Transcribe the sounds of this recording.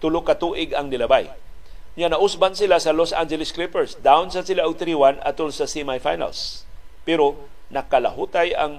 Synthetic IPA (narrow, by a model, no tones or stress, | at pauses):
t̪ʊlʊkɐt̪uːʔɪɡɐŋnɪlɐbaj | ɲanɐʔʊsbansɪlasɐlosʔa̰nd͡ʒɛlɪsklɪpɛɹsd̪aʊnsɐsɪlaʔʊɡ̚t̪ɾiwanɐ̰t̪ʊlsɐsimajfajna̰lspɛɾo | nɐkɐlɐ̰ɦut̪ajaŋ